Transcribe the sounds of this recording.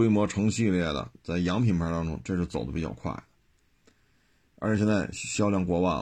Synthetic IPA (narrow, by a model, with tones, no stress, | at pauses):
e˥ɪmwɔ˧˥ʈ͡ʂʰɤ˧˥ŋɕi˥˧ljɛ˥˩d̪ə̰˨˩t͡sa˥˩ɪjɑ˧˥ŋpʰi˨˩ŋpʰa˧˥t̪ɑ˥ŋʈ͡ʂʊ̰˥ŋʈ͡ʂɤ˥˧ʂɻ̩˥˩t͡so˨˩ʊd̪ə˦pi˨˩t͡ɕɑ̰˥˧ʊkʰwa̰˥˩ɪ | ə̰˞˧˥ʂjɛ˥˧nt͡sa˥˧˩ɪ˩ɕjɑ˥ʊljɑ˥˩ŋkwɔ˧˥wa̰˥˩